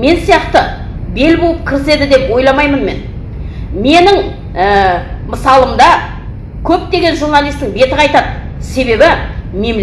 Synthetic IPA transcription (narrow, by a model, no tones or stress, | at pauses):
me̞nsijɑqt̪ə | be̞lbolˠəp̚kʲʰɪɾɪse̞d̪ɪd̪e̞pwo̞jlˠɑmɑjmənme̞̰n | me̞nɪŋ | əməsɑlˠəmd̪ɑ | kʲʰɵp̚t̪e̞ɡʲe̞nʒurnɑlˠijst̪ɪŋbe̞t̪ɪɑjt̪ɑd̪ə | se̞be̞bɪme̞m